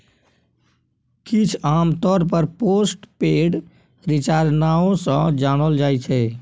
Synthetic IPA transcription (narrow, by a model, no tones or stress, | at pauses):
kɪt͡ʃʰaːmt̪ɔːɾpəɾpoːsʈpeːɖ | ɾɪt͡ʃaːɾnaõsə̃d͡ʒaːɽ̃əld͡ʒaːit͡ʃʰɛ